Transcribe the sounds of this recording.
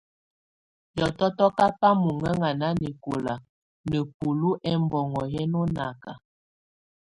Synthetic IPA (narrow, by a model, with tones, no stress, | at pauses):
jɔ˨tɔ˦tɔ˦ka˦pa˦mu˨ŋə˦ŋa˨na˦ni˨ko˨la˨ | nə˨pu˨lu˦ʔɛ˦mbɔ˨ŋɔ˨jɛ˦nɔ˦na˨ka̰˨